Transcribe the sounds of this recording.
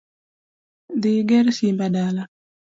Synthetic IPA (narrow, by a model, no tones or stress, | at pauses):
d̪ɪɡɛɾsimbadala